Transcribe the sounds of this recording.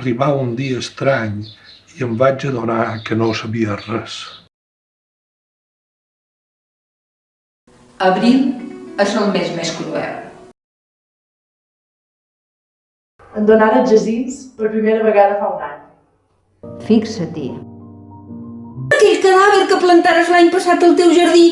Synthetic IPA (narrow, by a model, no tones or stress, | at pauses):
riβaund̪iəːst̪ɾaɲiəmbad͡ʒəðonakənosəβiərɛs | əβɾiməsombezmeskɾuɛ̰w | ənd̪onaɾəʒəzinspəɾpɾimeɾəβəɣaðəfawnaɲ | fiksət̪ḭ | k̪ilkəðaβəɾkəplənt̪aɾəzlaɲpəsat̪əlˠt̪ewʒəɾði